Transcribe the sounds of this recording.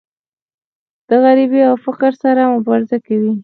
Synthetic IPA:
d̪̥əɣaɾibiawfɪqɾsaɾamʊbɑɾɪzakawi

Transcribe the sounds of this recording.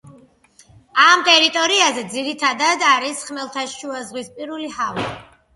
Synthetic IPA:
amt̪ʼɛɾit̪ʼɔɾiazɛd̪ziɾit̪ʰad̪ad̪aɾisχmɛlˠt̪ʰaʃʃuazʁwispʼiɾulihava̰

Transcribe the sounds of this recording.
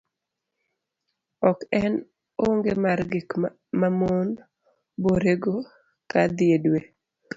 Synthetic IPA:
ɔkɛn | oŋɡemaɾɡɪk | mamon | boɾeɡo | kad̪ɪedwe

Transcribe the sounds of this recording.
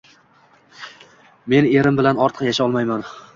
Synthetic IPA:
me̞ne̞ɾɪmbɪlanɒɾt̪ʰəqjaʃaɒlˠmajman

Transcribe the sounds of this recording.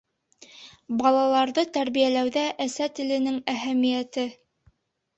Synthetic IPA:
bɑlˠɑlˠɑɾðɤt̪æɾβijælæwðæʔæsæt̪ɘ̆lɘ̆nɘŋæɦæmijæt̪ɘ

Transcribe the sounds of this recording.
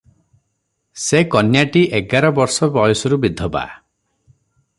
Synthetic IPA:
sekɔnjaʈiʔeɡaɾɔbɔɾsɔbɔjɔsɔɾubid̪ʱːɔba̰

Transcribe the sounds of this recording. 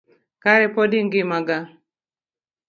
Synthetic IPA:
kaɾɛpɔdiŋɡimaɡa

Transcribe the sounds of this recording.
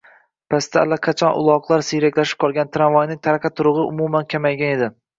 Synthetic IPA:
pʰast̪ʰaːlːaqʰɑt͡ʃʰɒnʔʊ̰lˠɒqlˠaɾsijɾakʲlaʃɪ̥p̚qʰɒlˠɡʲant̪ʰɾanvɒjnɪŋt̪ʰaɾqʰɑt̪ʰʊɾʊʁɨʔʊ̰mumankʲʰamajɡʲane̞d̪ɪ

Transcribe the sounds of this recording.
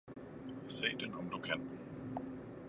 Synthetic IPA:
se̝̰ːd̥enɒ̽md̥ukʰæn

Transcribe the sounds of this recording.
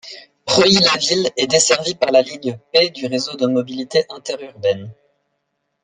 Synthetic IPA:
pχɔilavilɛd̪esɛʁvipaʁlaliɲjəped̪yʁezod̪əmɔbilit̪eʔɛ̃t̪ɛʁyʁbɛn

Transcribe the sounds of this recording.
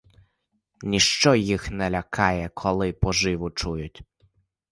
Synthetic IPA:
nʲiʃt͡ʃɔjixnɛlʲɐkʰɑjɛkʰɔlˠɪpɔʒɪʋʊt͡ʃujʊtʲ

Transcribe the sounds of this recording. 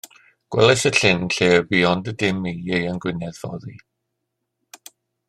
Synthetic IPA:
ɡ̥wɛ̰lˠɛsəɬɪnɬeːbiɔndədɪmiejənɡwɪnɛðvɔ̰ði

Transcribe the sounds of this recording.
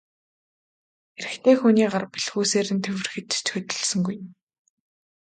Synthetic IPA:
eɾɘ̆xt̪ʰeːxuniːɢarpiɮxuːseːɾɘ̆nt̪ʰewɘ̆rxɘ̆t̪t͡ɕxɵt̪ɵ̆ɮsɵ̆ŋɡuj̆m

